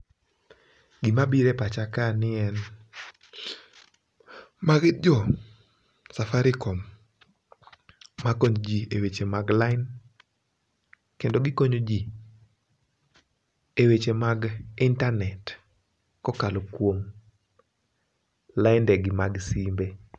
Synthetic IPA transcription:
ɡɪmabiɾepat͡ʃakanɪɛn | maɡd͡ʒɔ | safaɾɪkɔm | akoɲd͡ʒiewet͡ʃemaɡlaɪn | kendoɡɪkoɲod͡ʒi | ewet͡ʃemaɡintanɛt | kɔkalokwoŋ | laɪndɛɡɪmaɡsimbe

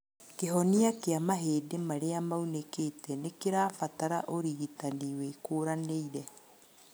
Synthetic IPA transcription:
keɦɔniakeamaɦeːdemaɾeamauneketɛnekeɾaːfataɾa̰ʔoɾiɣitaniwekoːɾaneiɾɛ

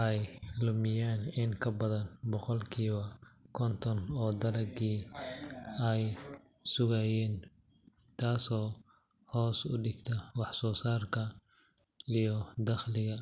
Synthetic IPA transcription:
ʔɛjlʊmɪjaːnɪŋkʰɐbɐðɐnbɔqɔlkʰiːβɐkʰɔnt̪ʰɔnɔːd̪ɐlɐɡiː | ɛj | sʊɣɐjɛːn | t̪ʰaːsɔː | hɔːsʊɖɪɡt̪ʰɐwɑħsɔːsaːrkʰɐ | ijɔd̪ɐχlɪɣɐ

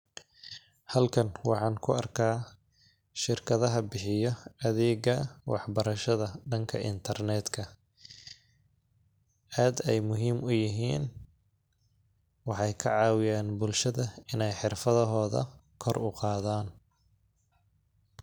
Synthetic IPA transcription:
hɐlkʰɐnwɑħɑːŋkʰʊɐrkʰaː | ʃɪrkʰɐðɐɦɐbɪħɪjɔɐðɛːɡɐwʔɑ̰ħbɐɾɐʃɐðɐɖɐŋkʰɐʔɪ̰nt̪ʰɐrnɛːd̪kʰɐ | aːd̪ɛjmʊɦiːmʊjɪɦiːn | wɑħɑjkʰɐʕɑːwɪjaːnbʊlʃɐðɐɪnɛjħɪrfɐðɐɦɔːðɐ̰kʰɔrʊqɑːðaːn

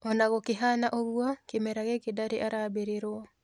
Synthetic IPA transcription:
ɔnaɣokeɦanaʔɔɣuɔkemɛɾaɣɛkedaɾeʔaɾabeɾeɾoɔ

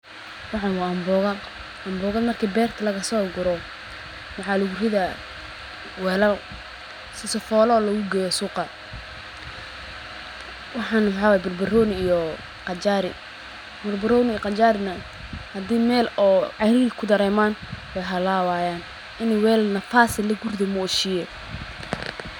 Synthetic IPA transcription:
wɑħɑnwaːɐmbɔɣɐ | ʔɐmbɔːɣɐd̪mɐrkʰiːbɛːrt̪ʰɐlɐɣɐsɔːɡʊɾɔ | mɑʕɑlʊɡʊrɪðɐ | wɛːlɐl | sɪsɔfɔːlɔːlɐɣʊɡɛjɔsuːqɐ | wɑħɑːnħawaːjɛbʊrbɐrɔːnɪijɔ | qɑt͡ʃaːɾɪ̰ | mʊrbɐrɔːnɪiːjɔqɑt͡ʃaːɾɪnɐ | hɐd̪iːmɛːlɔːʕɑjɾɪɣkʰʊd̪ɐɾɛːmaːnwɛjɦɐlaːwaːjaːn | ʔɪnɛjwɛːlɐlnɐfaːsɪlːɐɡurd̪ɐmʊːʃɪjɛ

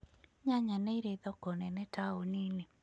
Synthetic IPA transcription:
ɲaɲanɛiɾeðɔkɔnɛnɛtaonine

